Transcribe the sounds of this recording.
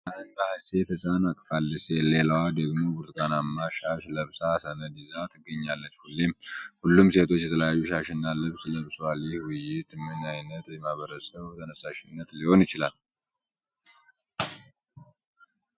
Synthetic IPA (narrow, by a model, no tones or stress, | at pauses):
ʔahɨnd̪ahɨse̞t̪ʰəsʼanakʼfalːɨsele̞lawad̪əɡmo̞buɾt̪kʼanamːaʃaʃləβsasənəd̪izat̪ʰɨɡəɲːalːət͡ʃːhulːemhulːumse̞t̪ʰo̞t͡ʃːjɛt̪ʰələjajːuʃaʃɪnːalɨβsləβswalːɪhwʊjɪt̪ʰɨmːɨnajnət̪jɛmaβəɾəsəβt̪ʰənəsaʃɪnːət̪liho̞njɪt͡ʃɪlal